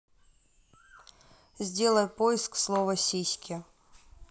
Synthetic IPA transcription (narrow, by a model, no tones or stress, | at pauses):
zʲdʲe̞lˠəjpoɪskslˠovəsʲisʲkʲɪ